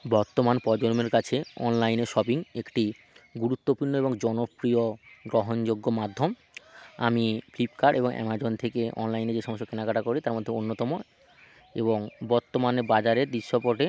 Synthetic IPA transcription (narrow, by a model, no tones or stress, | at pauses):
bɔɾt̪omanpɔd͡ʑoɾmeɾkat͡ɕʰeɔ̰nlajneɾʃɔbiŋekʈi | ɡuɾut̪ːopuɾnoeboŋd͡ʑɔnopɾioɡɾoɦond͡ʑoɡːomad̪ʱːom | a̰miflip̚kaɾɖḛboŋʔɛ̰mad͡ʑont̪ʰekeɔ̰nlajneɾd͡ʑeʃɔmoʃːokenakaʈakoɾit̪aɾmod̪ʱːeonːot̪ɔmo | ḛboŋbɔɾt̪ːomanebad͡ʑaɾeɾd̪iʃːopɔʈe